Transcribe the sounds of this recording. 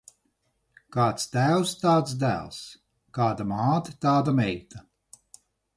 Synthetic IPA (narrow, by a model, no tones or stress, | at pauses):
kaːt̪st̪æːwst̪aːt̪sd̪æ̰ːlˠs | kaːd̪amaːt̪ɨt̪aːd̪amɛjt̪a